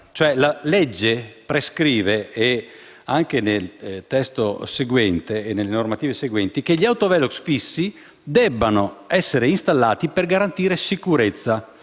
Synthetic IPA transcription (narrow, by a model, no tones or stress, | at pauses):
t͡ʃoɛlaled͡ʒːepɾeskɾiːvee | aŋkenelt̪ɛst̪oseɡwɛnt̪eːnːelːenormat̪iːveseɡwɛnt̪ikeʎːiawt̪ovɛloksfisːi | d̪ɛbːanoɛsːeɾeinst̪alːaːt̪iperɡaɾant̪iːɾesikuɾet̪sːa